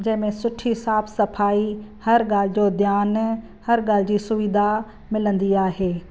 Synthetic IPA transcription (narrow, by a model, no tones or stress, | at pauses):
d͡ʑɐ̃ɦɪ̃mẽsʊʈʰisaːbsɐfʰaːihɐɾɡaːlɪd͡ʑoːd̪jaːn | hɐɾɡaːlɪd͡ʑiːsʊʋid̪ʱa | mɪlə̃nd̪iaːɦeː